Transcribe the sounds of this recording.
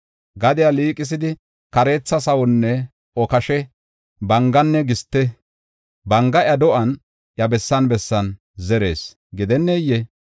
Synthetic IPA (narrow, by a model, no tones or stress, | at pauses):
ɡɐd̪ɪjaliːkʼɪs̬ɪd̪ɪ | kɐɾe̞ːt͡sːɐsɐwɔnːɛ | ɔkɐʃɛ | bɐŋɡɐnːɛɡɪst̪ːɛ | bɐŋɡɐʔɐd̪ɔʔɐn | ʔjɐbɛsːɐnbɛsːɐn | zɛɾe̞̰ːs | ɡɪd̪ɛnːɛjːɛ